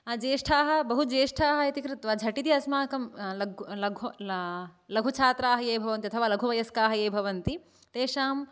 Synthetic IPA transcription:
ɐd͡ʒeːʂʈʰaːɦɐ̆bɐɦud͡ʒeːʂʈʰaːɦɐet̪ikɾɨt̪ʋaːd͡ʒʱɐʈit̪iɐsmaːkɐmlɐɡlɐɡʱ | lɐɡʱut͡ʃʰaːt̪ɾaːɦɐjeːbʱɐʋɐnt̪iɐt̪ʰɐʋaːlɐɡʱuʋɐjɐskaːɦɐjeːbʱɐʋɐnt̪i | t̪eːʂaːm

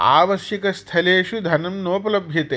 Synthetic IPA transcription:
a̰ːʋɐʃjɐkɐst̪ʰɐleːʃud̪ʱɐnɐmnoːpɐlɐbʱjɐt̪eː

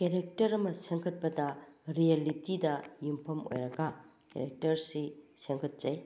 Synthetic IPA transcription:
keɾek̚tɐɾɐmɐseŋkʰɐt̚pɐdɐɾijelitidɐjumpʰɐmo̰jɾɐɡɐ | kḛɾek̚tɐɾsiseŋkʰɐt̚z̥ɐj

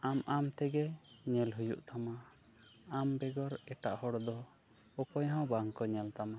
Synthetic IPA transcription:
amʔamt̪ɛɡɛɲɛlɦujṵʔt̪ʰama | ambɛɡɔɾɛʈaʔhɔɽd̪ɔ | ɔpɔjɦɔ̃baŋkɔɲɛlt̪ama

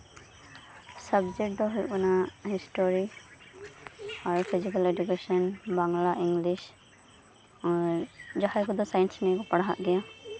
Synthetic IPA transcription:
səbd͡ʒɛk̚d̪ɔɦujkɔnahisʈoɾi | aɾpʰizikaled͡ʒukesɔnbaŋlaʔiŋɡliʃ | d͡ʒaɦakɔd̪ɔsajnsnɛkɔpaɽɦa̰ʔɡɛja

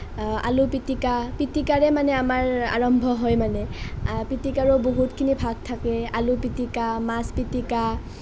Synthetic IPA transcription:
a̰lupitikapitikaɹɛmanɛamaɹa̰ɹɔmbʱɔɦɔjmanɛpitikaɹɔboɦutkʰinibʱaɡ̚tʰakɛalupitikamaspitika

